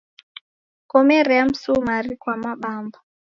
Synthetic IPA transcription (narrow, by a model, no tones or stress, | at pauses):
kɔmɛɾɛam̩sumaɾikwamaɓamba